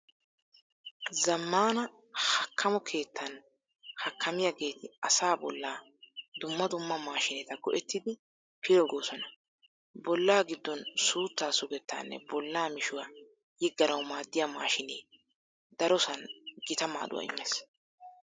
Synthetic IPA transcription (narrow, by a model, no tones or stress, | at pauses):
zɐmːaːnɐ | hɐkʰːɐmɔkʰe̞ːt̪ːɐn | hɐkʰːɐmɪjaɡe̞ːt̪ɪɐsaːbɔlːaː | d̪ʊmːɐd̪ʊmːɐmaːʃɪnɛt̪ɐɡɔʔɛt̪ːɪd̪ɪ | pʰɪlɔɡoːsɔnɐ | bɔlːaːɡɪd̪ːɔnsuːt̪ːaːsʊɡɛt̪ːa̰ːnːɛ̰bɔlːaːmɪʃʊwa | jɪɡːɐɾɐwmaːd̪ːɪjaːma̰ːʃɪneː | d̪ɐɾɔsɐnɡɪt̪ɐma̰ːd̪ʊ̰wɐ̰ɪ̰mːeːs